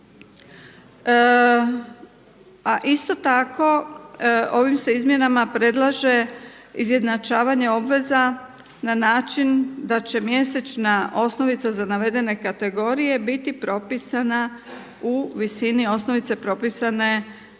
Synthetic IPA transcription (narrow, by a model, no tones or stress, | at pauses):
aʔist̪o̞t̪ako̞ | o̞ʋimse̞izmje̞namapɾe̞d̪lˠaʒe̞ | izje̞d̪nat͡ʃaːʋaɲe̞o̞bʋe̞za | nanaːt͡ʃind̪at͡ɕe̞mje̞se̞t͡ʃnaʔo̞sno̞ʋit̪sazanaʋe̞d̪e̞ne̞kat̪e̞ɡo̞ɾije̞bit̪ipɾo̞pisana | uʋisinio̞sno̞ʋit̪se̞pɾo̞pisane̞